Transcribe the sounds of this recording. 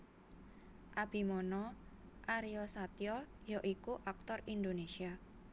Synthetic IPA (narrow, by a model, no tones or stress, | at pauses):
ʔab̥i̤mɔnɔ | ʔaɾiɔsat̪jɔjoʔikuʔak̚t̪ɔrind̪onesia